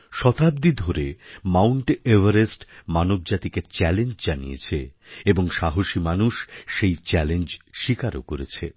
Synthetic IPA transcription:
ʃɔt̪ab̚d̪id̪ʱoɾemawɳʈevaɾesʈmanob̚d͡ʑat̪iket͡ɕɛlend͡ʑd͡ʑanḭjḛt͡ɕʰe | eboŋʃaɦoʃimanuʃːejt͡ɕɛlend͡ʑʃikaɾo̰koɾet͡ɕʰe

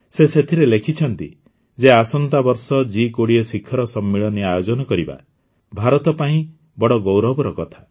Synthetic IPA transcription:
seset̪ʰiɾelekʰit͡ʃʰɔnt̪ḭ | d͡ʒeasɔnt̪abɔɾsɔd͡ʒikoɽiɔsikʰːɔɾɔsɔmːiɭɔniajod͡ʒɔnɔkɔɾiba̰ | bʱaɾɔt̪ɔpaĩ | bɔɽɔɡɔwɾɔbɔɾɔkɔt̪ʰḁ

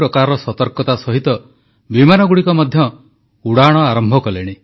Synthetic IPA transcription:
ɾɔkaɾɔɔsɔt̪ɔɾkɔt̪asɔɦit̪ɔ | bimanɔɡuɽikɔmɔd̪ʱjɔ | uɽaɽ̃ɔaɾɔmbʱɔkɔleɽ̃i

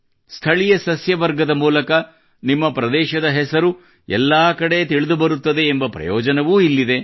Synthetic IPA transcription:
st̪ʰɐɭijɐsɐsjɐʋɐɾɡɐd̪ɐmuːlɐkɐ | nimːɐpɾɐd̪ɛːʃɐd̪ɐɦɛsɐɾu | ɛ̰lːaːkɐɽe̞t̪iɭid̪ubɐɾut̪ːɐd̪e̞ːmbɐpɾɐ̰jɔːd͡ʒɐnɐʋuːilːid̪e̞

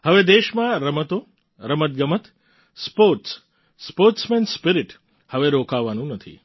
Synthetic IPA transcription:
həʋed̪eʃmãɾəmət̪o | ɾəmət̪̚ɡəmət̪ | spoɾʈs | spoɾʈsmenspiɾiʈ | həʋeɾokaʋːanũnət̪ʰḭ

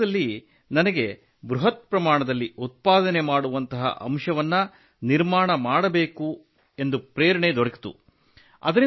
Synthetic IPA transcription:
ɐlːi | nɐnɐɡe̞ | bɾuɦɐt̪̚pɾɐmaːɳɐd̪ɐlːiut̪̚paːd̪ɐnemaːɽuʋɐnt̪ɐɦɐ̰ʔɐ̰mʂɐʋɐnːɐ | niɾmaːɳɐmaːɽɐbe̞ːku | e̞nd̪upɾeːɾɐɳed̪ɔɽɐki̥t̪ṵ | ɐ̰d̪ɐɾi

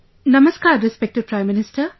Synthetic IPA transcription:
nɐmɐskaɾɾispek̚tid̚pɾajmːinistɐɾ

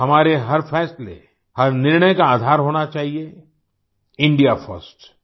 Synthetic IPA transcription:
ɦɐmaːɾeɦɐɾfʰɛːslḛ | hɐɾnɪɾɳəjkaaːd̪ʱaːɾɦoːnat͡ʃaːɦie | ɪ̃ɳɖijafʰəɾsʈ

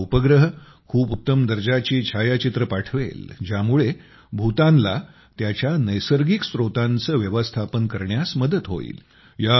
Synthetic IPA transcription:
upəɡɾəɦ | kʰuːput̪ːəmd̪əɾd͡ʑat͡ɕiːt͡ɕʰajat͡ɕit̪ɾəpaʈʰʋḛld͡ʑjamuɭe | bʱut̪ãnla̰ | t̪jat͡ɕjanəjsəɾɡiksɾot̪ãnt͡səːʋjəʋəst̪ʰapənkəɾɳjasməd̪ət̪ɦo̰ḭːl | ja

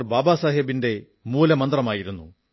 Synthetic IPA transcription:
rbaːbaːsaːɦɐbinde̞ | muːlɐmɐnd̪rɐmaːjiɾunːṵ

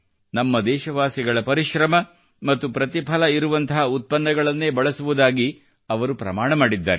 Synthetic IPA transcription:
nɐmːɐd̪ɛːʃɐʋaːsiɡɐɭɐpɐɾiʃɾɐmɐ | mɐt̪ːupɾɐt̪ipʰɐlɐiɾuʋɐnt̪ɐɦɐut̪̚pɐnːɐɡɐɭɐnːe̞ːbɐɭɐsuʋud̪aːɡi | ɐʋɐɾupɾɐ̰maːɳɐmaːɽid̪ːa̰ːɾe

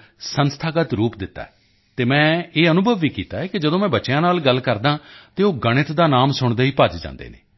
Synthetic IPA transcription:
sənst̪ʰaːɡət̪ɾuːpd̪ɪt̪ːa̰ːɛː | t̪eːmɛ̃ːeːənʊbəʋːiːkiːt̪aːɛːkɪd͡ʒəd̪õːmɛ̃ːbətːʃjãːnaːlɡəlːkəɾd̪ãːt̪eːoːɡəɽ̃ɪt̪d̪aːnaːmsʊɳd̪eːiːpəd͡ʒd͡ʒã̰ːnd̪ḛːnḛː

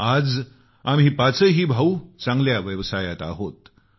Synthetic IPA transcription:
ad͡z | am̤iːpat͡səɦiːbʱaut͡sãŋɡljaʋəʋsajat̪a̰ɦot̪

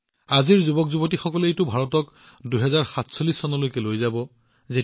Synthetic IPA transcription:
aziɹzubɔkzubɔtixɔkɔleejtʊbʱaɹɔtɔk | duɦɛzaɹxatsolːisːɔnɔlojkɛlojzabɔ | ze

